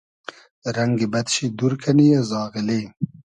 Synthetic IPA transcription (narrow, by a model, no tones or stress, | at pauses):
ɾɐŋɡibɐt̪ʃid̪uɾkʰɐnijazɑːɣɪli